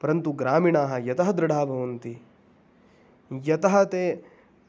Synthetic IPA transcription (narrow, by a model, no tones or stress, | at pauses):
pɐɾɐnt̪uɡɾaːmiɳaːɦɐjɐt̪ɐɦɐd̪ɾɐɽʱaːbʱɐʋɐnt̪i | jɐt̪ɐɦɐt̪eː